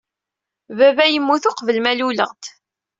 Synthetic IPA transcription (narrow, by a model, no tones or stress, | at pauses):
vævæjəmːuθʊqvəlmælulə̰ʁt̪